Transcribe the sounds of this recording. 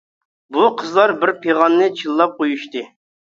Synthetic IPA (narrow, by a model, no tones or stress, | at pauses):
buqʰəzlˠɑɾbɪɾpʰeʁɑnːɨt͡ʃʰilˠːɑp̚qʰojuʃt̪ɨ